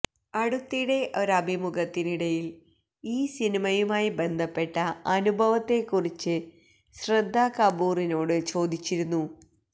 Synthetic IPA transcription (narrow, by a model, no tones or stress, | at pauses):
ɐɽut̪ːiɽe̞ʔo̞ɾɐbʱimuɡɐt̪ːiniɽɐjil | iːsinimɐjumaːjibe̞nd̪ʱɐpːe̞ʈːɐɐnubʱɐʋɐt̪ːe̞kːurit͡ɕːɨ | ɕrɐd̪ʱːakɐbuːrino̞ːɽɨt͡ɕo̞ːd̪ʱit͡ɕːiɾunːu